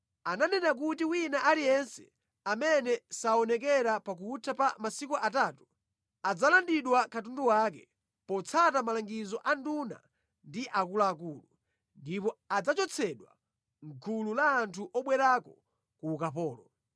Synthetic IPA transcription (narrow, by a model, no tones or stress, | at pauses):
ananɛnak̬utiwinaʔalijɛnsɛ̥̰ | amɛnɛsaɔnɛkɛɾapak̬uːtʰapamasikuʔataːtu̥ | ad͡zalandiɗwakatunduwakɛ | pɔt͡sʰatamalaŋɡizɔʔanduna̰ | ndiʔakulaːkulu | ndipɔad͡zat͡ʃɔt͡sʰɛɗwa̰ | ŋ̩kʰululaːntʰuʔɔɓwɛɾakɔ | kuːkapɔːlɔ